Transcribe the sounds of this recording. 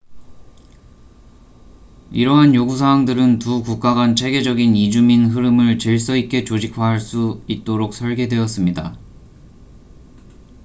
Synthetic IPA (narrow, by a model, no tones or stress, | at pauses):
iɾʌɦanjoɡus̬ʰawaŋdɯɾɯntukuk̚k͈aɡant͡ɕʰe̞ɡe̞d͡ʑʌɡinid͡ʑuminɦɯɾɯmɯɭt͡ɕɯɭs̬͈ʌik͈e̞t͡ɕod͡ʑikʰwaɦaɭs͈uit̚t͈oɾok̚s͈ʰʌɭɡe̞dwe̞ʌs͈ɯmɲida